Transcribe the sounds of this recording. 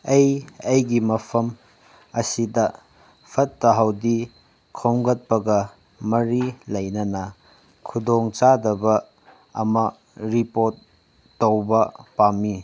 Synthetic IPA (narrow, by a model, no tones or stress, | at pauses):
ɐjɐjɡimɐpʰɐm | ɐsidɐ | pʰɐtːɐɦɐwdi | kʰowŋɡɐt̚pɐɡɐ | mɐɾilɐjnɐnɐ | kʰudoŋt͡ʃadɐbɐː | mɐ | ɾipoɾtː | owbɐpamːi